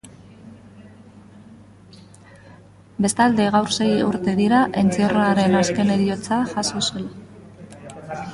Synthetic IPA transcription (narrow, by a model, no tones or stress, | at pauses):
be̞st̪ald̪e̞ɣ̞awɾse̞jṵɾt̪e̞ðiɾaʔe̞nt͡seroaɾe̞naske̞ne̞ɾio̞t͡saʝasosel